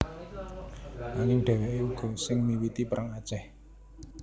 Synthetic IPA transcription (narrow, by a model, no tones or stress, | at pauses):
naŋɪŋɖ̥ɛ̤weʔeuɡ̥ɔ̤sɪŋmiwit̪ipəɾʔaŋat͡ʃɛh